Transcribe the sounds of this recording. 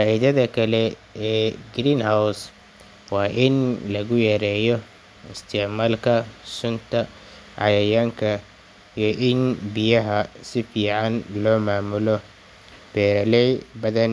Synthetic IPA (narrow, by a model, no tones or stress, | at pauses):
faːʔiðɐðɐkʰɐlɛ | ɛːɡɾiːnhaws | wɑːʔɪnlɐɣʊjɛːɾɛːjɔ | ɪst̪ʰɪʕmaːlkʰɐsʊnt̪ʰɐ | ʕɑjɐjaːŋkʰɐ | ijɔʔɪnbɪjɐɦɐsɪfiːʕɑnlɔːmaːmʊlɔ | b̥ɛːɾɐlɛjbɐðɐn